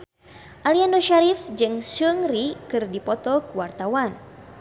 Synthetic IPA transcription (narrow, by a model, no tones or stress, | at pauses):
ʔaliandoʃaɾifd͡ʒɨŋsuŋrikɨrdipɔt̪ɔkəwart̪awan